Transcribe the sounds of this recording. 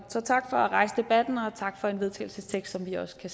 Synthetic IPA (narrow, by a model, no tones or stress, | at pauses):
sɒ̽t͡sʰɑ̈ɡ̥fɒ̽æʁɑ̈ɪsəd̥e̝b̥æd̥n̩ɒ̽t͡sʰɑ̈ɡ̥fɒ̽e̝nʋe̝ð̞ˠt͡sʰɛ̰ɪl̩səst͡sʰeɡ̥sd̥sɒ̽mʋiɒ̽skʰæ